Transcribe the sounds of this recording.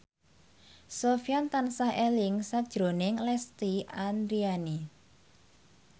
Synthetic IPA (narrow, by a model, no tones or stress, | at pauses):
sofjant̪ansahʔɛlɪŋsakd̥ʒ̥ɾonɪŋlɛst̪iand̪ɾiani